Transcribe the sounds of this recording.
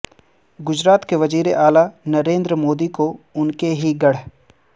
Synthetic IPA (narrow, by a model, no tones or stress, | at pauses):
ɡʊd͡ʒɾaːt̪keʋɐziːɾeʔaːlanɐɾẽːnd̪ɾəmoːd̪ikoʊnkeɦiɡɐɽ̤